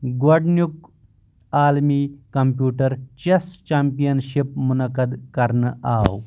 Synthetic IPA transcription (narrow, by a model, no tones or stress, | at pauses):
ɡɐɖnjuk | aːlmikɐmpjuːʈəɾt͡ʃest͡ʃaːmpijɐnʃip̚munɐkəd̪kɐɾnaːw